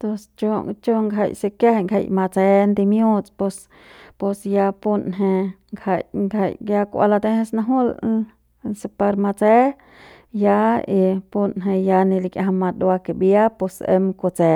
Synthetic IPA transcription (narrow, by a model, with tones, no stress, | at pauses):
t̪o˧st͡ʃo˧t͡ʃo˦ŋɡɦa̰˧˨jsi˧ke˦he˧ŋɡha̰˧jma˧t͡se˧nd̪i˧mju˦t͡spo˧s | po˧sja˧pu˧nɦe˧ | ŋɡha˧˨jŋɡa˨jja˧kʷa̰˧la˧t̪e˧he˧sna˧ɦu˦l | se˧pa˧ɾma˧t͡se˦ | ja˦i˧pu˧nɦe˧ja˧ni˧li˧kja˧ɦa˧ma˧d̪wa˧ke˧bja˦pe˧sḛ˧mko˧t͡se˧